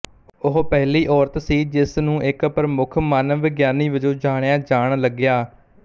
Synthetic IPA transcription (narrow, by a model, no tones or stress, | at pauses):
ʊɦpɛɦliːʔɔːɾt̪siːd͡ʒɪsnũːʔɪkpɾəmʊkʰmaəːnʋɪɡjaːniːʋəd͡ʒoːd͡ʒaːɽ̃jãːd͡ʒaːɳləɡɪjaː